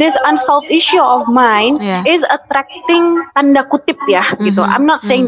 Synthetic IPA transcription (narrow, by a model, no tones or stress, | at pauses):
d̪ɪsãnsɔlt̪iʃuɔfmãjnɪzət̪ɾɛk̚t̪ɪŋt̪andakut̪ɪp̚jahɡit̪uʔa̰jmnɔt̪̚seɪŋ